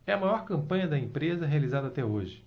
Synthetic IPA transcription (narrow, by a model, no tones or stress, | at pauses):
ɛɐmajɔɾkɐ̃mpɐ̃ɲɐd̪ɐẽmpɾezɐɦealizad̪ɐat̪ɛoʒɪ